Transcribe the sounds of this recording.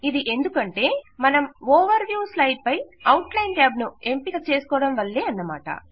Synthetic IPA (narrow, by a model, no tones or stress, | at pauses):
id̪iʔe̞nd̪ukɐɳʈe̞ːmɐnɐmɔːʋɐɾʋjuːslɐjɖ̚pɐjɐwʈlɐjnɡaːbnue̞mpiɡaːt͡ʃe̞ːsu̥kɔːɽɐmʋɐlːe̞ːɐnːɐma̰ːʈɐ̰